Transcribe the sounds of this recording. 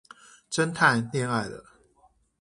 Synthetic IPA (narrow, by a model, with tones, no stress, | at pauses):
ʈ͡ʂə˦nt̪ʰa˥˧ɪnjɛ˥˧na˥˧˩ɪlə̰˩